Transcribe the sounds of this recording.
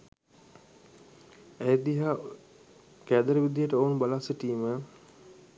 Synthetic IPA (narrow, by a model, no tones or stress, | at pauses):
æjəd̪iɦaː | kæːd̪əɾəʋid̪ijəʈəoːnbalasəʈiːmə